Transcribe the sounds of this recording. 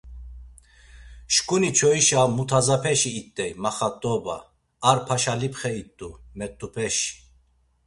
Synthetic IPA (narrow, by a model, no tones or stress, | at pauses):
ʃkʼunit͡ʃʰɔiʃamut̪ʰazapʰɛʃiːt̪ʼːɛjmaχat̪ʼːɔba̰ː | ɾpʰaʃalipʰχɛit̪ʼːumɛt̪ʼːupʰɛʃi̥